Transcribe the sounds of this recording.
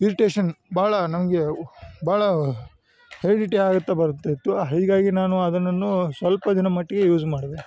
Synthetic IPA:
iɾiʈeːʃɐnbaːɭɐnɐmɐɡe̞baːɭɐ | heɾiɖiʈeaːɡut̪ːebɐɾut̪ːet̪uɐɦiːɡaːɡinaːnuɐd̪ɐnːɐnːusʋɐlpɐd̪inɐmɐʈːiɡe̞juːd͡ʒmaːɽd̪e

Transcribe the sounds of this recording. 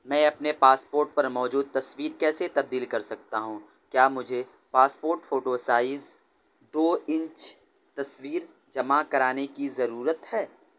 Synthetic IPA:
mɛ̃ːɐpnepaːspoːɾʈ̚pɐɾmɔːd͡ʒuːd̪̚t̪ɐswiːɾkɛːset̪ɐb̚d̪iːlkɐɾsɐk̚t̪aɦũ | kjaːmʊd͡ʒʱe | paːspoːɾʈfoːʈosaːɪz | d̪oːɪ̃ɲt͡ʃ | t̪ɐswiːɾ | d͡ʒɐmakɐɾaːnekizɐɾuːɾət̪hɛː

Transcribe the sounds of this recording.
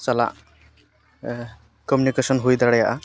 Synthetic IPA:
t͡ʃala̰ʔ | kɔmunikesɔnɦujd̪aɽɛjaʔa

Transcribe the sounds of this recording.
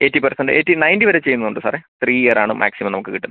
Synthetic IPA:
e̞ːtːipɐrsɐnɖɨeːtːinɐjndiʋɐɾet͡ɕːe̞jːunːɐuɳɖɨsaːret̪riːijɐraːɳumʔa̰ːksimɐmnɐmukːɨkiʈːunɐɐ

